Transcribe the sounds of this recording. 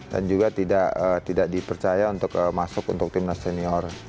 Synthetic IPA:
da̰nd͡ʒuɡat̪idaʔət̪idaʔdipərt͡ʃajaunt̪ʊkəmasʊkunt̪ʊk̚t̪imnaseniɔr

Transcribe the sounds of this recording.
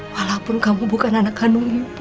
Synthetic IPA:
walapʊnkamubukananakhanuŋip

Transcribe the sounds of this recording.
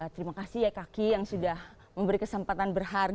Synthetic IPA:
t̪əɾimakasijakakijaŋsudah | məmbəɾikəsəmpat̪anbərɦar

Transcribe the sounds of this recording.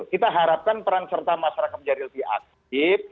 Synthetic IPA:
kit̪aɦaɾap̚kanpəɾaŋsərt̪amaʃaɾakat̪̚d͡ʒaɾɪlfia̰k̚ | ɪf̚

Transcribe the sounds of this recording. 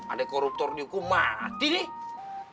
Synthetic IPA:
a̰dɛkɔɾup̚t̪ɔrniukumat̪inɪh

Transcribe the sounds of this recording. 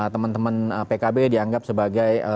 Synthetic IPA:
t̪əmənt̪əmanpekabediaŋɡap̚səbaɡajə

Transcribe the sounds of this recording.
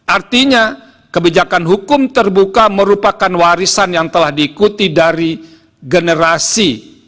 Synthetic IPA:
ʔart̪iɲa | kəbid͡ʒakanɦukʊmt̪ərbukaməɾupakanwaɾisanjaŋt̪əlahdiːkut̪idaɾi | ɡənəɾasi

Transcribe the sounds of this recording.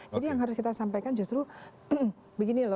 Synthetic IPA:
d͡ʒadijaŋɦaɾʊskit̪asampajkand͡ʒust̪ɾu | bəɡinilɔ

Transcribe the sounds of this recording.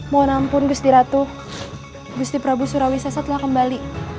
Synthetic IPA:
monampʊnɡust̪iɾat̪ʊh | ɡust̪ipɾabusuɾawisasət̪əlahkəmbali

